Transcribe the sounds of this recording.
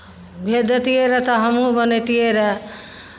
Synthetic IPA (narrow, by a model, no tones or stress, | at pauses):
bʱed̪ət̪ieɾʌt̪ʌɦəmɦũbʌnet̪ieɾʌ